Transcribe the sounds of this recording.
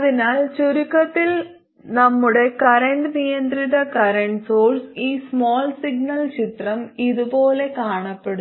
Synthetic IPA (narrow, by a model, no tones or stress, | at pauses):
ɐðinaːlt͡ɕoɾikːɐt̪ːil | nɐmːuɽe̞kɐɾɐɳɖnijɐnd̪riðɐkɐɾɐɳʈsoːlsiːsmoːlsiɡ̚nɐlt͡ɕit̪rɐmiðupo̞ːle̞kaːɳɐpːeɽu